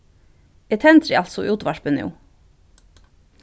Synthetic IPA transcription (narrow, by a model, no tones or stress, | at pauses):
et̪ʰɛnt̪ɾɪ̰ɑlt̪sɔʔuːt̪ʋɑʃpənjṵː